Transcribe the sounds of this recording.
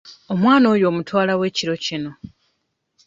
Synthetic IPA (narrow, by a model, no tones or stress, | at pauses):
omwaːno̞ːjo̞ːmutwaːlawe̞ːciɾo̞cino̞